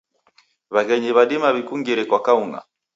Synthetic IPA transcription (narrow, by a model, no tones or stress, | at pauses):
βaɣɛɲiβaɗimaβikuŋɡiɾɛkwakauŋa̰